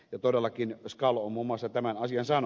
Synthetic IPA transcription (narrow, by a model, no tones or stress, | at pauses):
jɑt̪odelːɑkinskɑlommumːɑsːɑt̪æmænɑsiɑnsɑːn